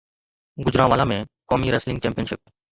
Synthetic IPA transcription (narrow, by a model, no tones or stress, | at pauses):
ɡʊd͡ʒɾãːʋaːlãːmẽːkoːmiːɾəslɪ̃ŋɡt͡ʃẽːmpijənʃɪp̚